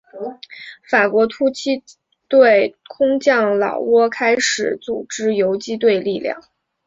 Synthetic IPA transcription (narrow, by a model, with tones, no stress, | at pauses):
fa˨˩kwɔ˧˥t̪ʰu˥t͡ɕʰi˥ | t̪we˥˩ɪkʰʊ˥ŋt͡ɕjɑ˥˩ŋlɑ̰˨˩ʊwɔ˥kʰa˥ɪʂɻ̩˨˩˦t͡su˨˩ʈ͡ʂɻ̩˥jo˧˥ʊt͡ɕi˥t̪̬we˥˧ɪli˥˧ljɑ̰˥˩ŋ